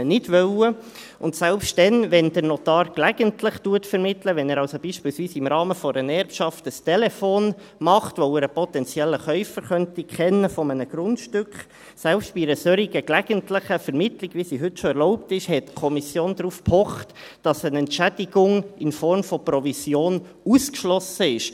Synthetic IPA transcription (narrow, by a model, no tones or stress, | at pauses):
nɪdʋœlə | ʔʊntsɛlpʃtd̥ɛnʋɛnd̥əɾnɔtɑːɾklæɡəntlɪχtuətfɛɾmɪtləʋɛnɛːɾɑlsob̥iːʃpiːlsʋiːsɪmɾɑːməfɔɾənɛɾpʃɑftəstɛlɛfoːn | mɑχtʋoʊəɾəpɔt̪ɛnt͡sjɛlːəχœʏfəɾχœntikʰχɛnːəfɔmənəɡ̥ɾʊntʃtʏkχ | sɛlpstb̥iɾəsøɾiɡ̥əklæɡ̥əntləχəfɛɾmɪtliɡʋisiɦʏtʃoɛɾlɔʊptɪʃhɛtkʰɔmisjoːndɾuːfpʰɔχt | d̥ɑsənɛntʃæd̥iɡʊŋɪnfɔɾmfɔpɾɔvisjoːn | uskʃlɔsəɪʃ